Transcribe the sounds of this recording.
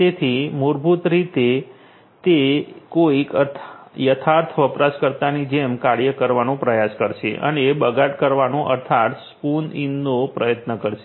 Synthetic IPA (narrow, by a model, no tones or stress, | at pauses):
t̪et̪ʰimuɾbʱut̪ɾit̪e | t̪ekoikət̪ʰjət̪ʰaɾt̪ʰʋəpɾaskəɾt̪anid͡ʒemkaɽjəkəɾʋanõpɾəjaskəɾʃḛʔə̰nebəɡaʈkəɾʋanõʔə̰ɾt̪ʰat̪spuninːopɾəjət̪nəkəɾʃe